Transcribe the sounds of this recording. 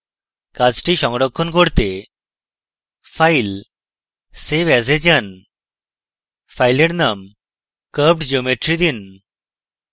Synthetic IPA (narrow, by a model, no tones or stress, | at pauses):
kat͡sʈiʃɔŋɡɽɔkʰːɔnkɔɽt̪e | fʰajl | seʋazed͡ʑan | fʰajleɽnam | kəp̚ʈd͡ʑomeʈɾid̪in